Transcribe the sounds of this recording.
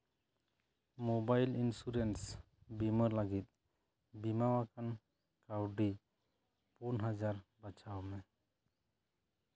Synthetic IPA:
mobajlinsuɾens | biməɾləɡit̪̚ | bimawakan | kawɖi | punɦad͡ʒaɾbat͡ʃʰawmɛ

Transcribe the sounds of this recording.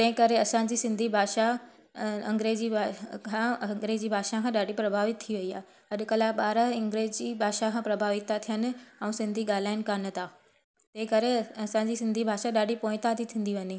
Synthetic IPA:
t̪ɐ̃ɦɪ̃kɐɾeɐsãːɲ̆d͡ʑisɪ̃nd̪ʱibʱaːʃa | ɐ̃ŋɡɾeːd͡ʑiakʰãŋɡɾeːd͡ʑibʱaːʃakʰãːɗaːɖ̤ʱipɾɐbʱaːʋɪt̪̚t̪ʰːiʋɐiaːɦe | ɦɐɗʊ̆kɐlaɓaːɾəɦɪ̃ŋɡɾeːd͡ʑd͡ʑibʱaːʃakʰãːpɾɐbʱaːʋɪt̪ːat̪ʰijənɪ̆ɛ̃ũsɪ̃nd̪ʱiɠaːl̤aːɪnɪ̆kanə̆t̪aː | t̪ɐ̃ɦɪ̃kɐɾeɐsãɲd͡ʑisɪ̃nd̪ʱibʱaːʃaɗaːɖʱipõːɪ̃t̪at̪ʰit̪ʰĩːn̆d̪iʋɐɲi

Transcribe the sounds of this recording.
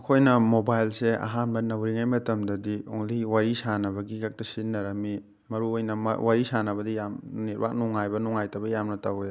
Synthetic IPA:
ɐkʰojnɐmobajlsea̰ɦanbɐnɐwɾiŋajmɐtɐmdɐdioŋliwaɾisanɐbɐɡikak̚tɐsinːɐɾɐmi | mɐɾuojnɐm̰waɾisanɐbɐdijamniɾba̰k̚nuŋajbɐnuŋajtɐbɐjamnɐtawja

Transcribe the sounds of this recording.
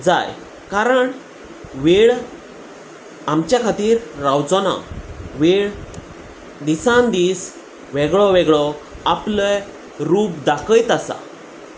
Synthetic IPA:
d͡za̰j | kaɾəɳ | ʋeɭ | amt͡ɕjakʰat̪iːɾːawd͡zɔnã̰ʋeɭ | d̪isãnd̪iːs | ʋɛɡɭɔʋɛɡɭɔaplə | ɾuːpd̪akəjt̪asa̰

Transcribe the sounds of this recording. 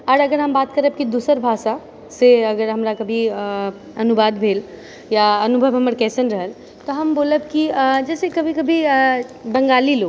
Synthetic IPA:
ɔːɾɐɡəɾɦɐmbaːt̪kɐɾəb̚kid̪uːsəɾbʱaːʃa | seɐɡəɾɦɐmɾakɐbʱi | ɐnubaːd̪bʱeːl | jaɐnubʱəʋɦɐməɾkɛːsənɾɐɦəl | t̪oɦɐmboːləb̚kid͡ʒɛːsekɐbʱikɐbʱi | bɐ̃ŋɡaːliloːɡ

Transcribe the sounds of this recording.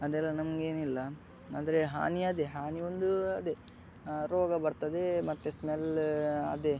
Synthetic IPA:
ɐd̪ɛlːɐnɐmɡe̞ːnilːɐ | aːd̪ɐɾeɦa̰ːniɐd̪eɦaːniond̪uɐd̪e | ɾoːɡɐbɐɾt̪ɐd̪emɐt̪ːesmelɐ̰d̪e

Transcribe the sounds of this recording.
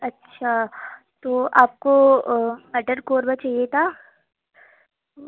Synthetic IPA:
ɐtːʃʰa | t̪oːʔaːp̚ko | mɛʈəɖkoːɾbət͡ʃaiet̪ʰa

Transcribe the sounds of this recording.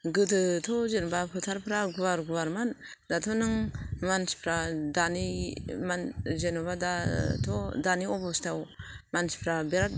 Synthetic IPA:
ɡɯtʰɯtʰɔzenɔbapʰɯtʰaɾpʰɾaɡuwaɾɡuwaɾman | datʰɔnɯŋmanspʰɾadanimanzenɔβadatʰɔdaniɔbɔstʰawmansi̥pʰɾabeɾat̚

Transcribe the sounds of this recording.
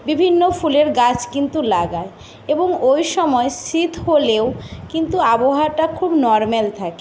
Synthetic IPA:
bibʱinːofuleɾɡat͡ɕkint̪ulaɡae | eboŋojʃɔmɔesit̪ʰɦoleokint̪uaboɦaɾʈakʰubnɔɾmelt̪ʰake

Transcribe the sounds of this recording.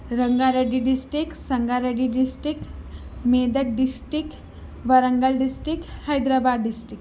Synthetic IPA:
ɾəŋɡaɾəɖiɖisʈɾiksɐŋɡaɾəɖiɖisʈɾikmed̪ək̚ɖisʈɾik̚ | ʋaɾəŋɡəlɖisʈɾikhajd̪ɾabad̪ɖisʈɾik

